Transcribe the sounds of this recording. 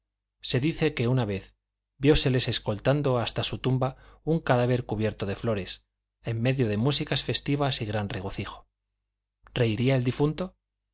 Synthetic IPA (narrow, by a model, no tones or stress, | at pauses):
se̞ðiθe̞ke̞unaβ̞e̞θ | bjo̞se̞le̞se̞sko̞lt̪and̪o̞ast̪asut̪umbauŋkaðaβ̞e̞ɾkuβje̞ɾt̪o̞ðe̞flo̞ɾe̞s | e̞mːe̞ðjo̞ð̞e̞musikasfe̞st̪iβ̞asiɣɾanre̞ɣo̞θixo̞̥ | re̞iɾiaeld̪ifunt̪o̞